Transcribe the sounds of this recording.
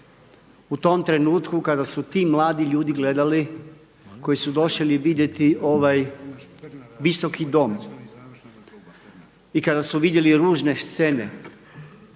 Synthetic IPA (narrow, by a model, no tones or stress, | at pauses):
ut̪o̞mt̪ɾe̞nuːt̪kukad̪asut̪iːmlˠaːd̪iʎuːd̪iɡle̞d̪ali | ko̞jisud̪o̞ʃeliʋid̪je̞t̪iʔo̞ʋaj | ʋiso̞kid̪o̞m | ikad̪asuʋid̪je̞liɾuːʒne̞st̪se̞ne̞̰